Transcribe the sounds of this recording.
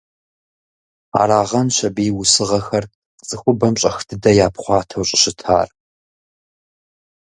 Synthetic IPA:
a̰ːɾaːʁɐnɕɐbiːwʊsɨʁɐxɐr | t͡sʼɨxʷʊbɐmɕʼɐxtʰɨdɐjaːpχʷɑːtʰɐwɕʼɪɕɪtʰa̰ːr

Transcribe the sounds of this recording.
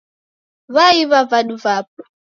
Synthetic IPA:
βaiβavaɗuvap̚ɔ

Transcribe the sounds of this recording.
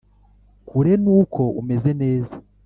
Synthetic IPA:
kʰuɾe̞nuːkʰo̞ume̞ze̞ne̞ːza

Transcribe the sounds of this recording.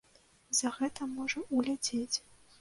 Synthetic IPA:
zɐɣɛt̪ɐmɔʐɐulʲad͡zʲet͡sʲ

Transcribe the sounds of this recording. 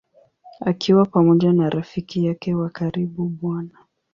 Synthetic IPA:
akʰiwapamɔʄanaɾafikijakɛwakaɾiɓuɓwana

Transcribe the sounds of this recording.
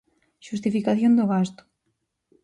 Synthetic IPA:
ʃust̪ifikaθjõnd̪oɣast̪ʊ̥

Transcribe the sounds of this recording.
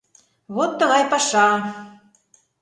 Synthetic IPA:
βot̪ːəɣɑjpɑʃɑ

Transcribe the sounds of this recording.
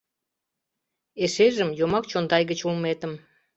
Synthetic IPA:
eʃeʒəmjomɑk̚t͡ɕond̪ɑjɣət͡ɕulmet̪əm

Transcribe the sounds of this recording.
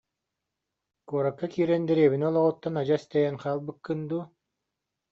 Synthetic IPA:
kuːɾakːakiːɾɛnd̪ɛɾeːβinɛɔlˠɔʁut̪ːanad͡ʑast̪ɛjɛnqaːlˠbɯkːɯnd̪u

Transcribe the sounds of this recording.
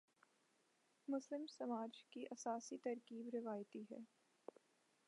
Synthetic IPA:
mʊslɪmsɐmaːd͡ʒkiʔɐsaːsit̪ɐɾkiːbɾɪʋaːjt̪iɦɛ̰ː

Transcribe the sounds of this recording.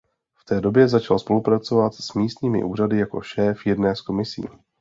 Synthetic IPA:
ft̪ɛːdo̞bjɛzat͡ʃalspo̞lupɾat͡so̞vat̪smiːst̪ɲiːmɪ̰ʔuːradɪjako̞̰ʃɛːfjɛdnɛːsko̞mɪsḭː

